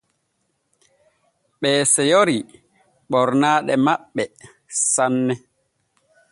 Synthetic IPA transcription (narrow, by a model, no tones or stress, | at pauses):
ɓɛːsɛjoɾi | ɓɔɾnaːɗɛmaɓːɛ | sanːɛ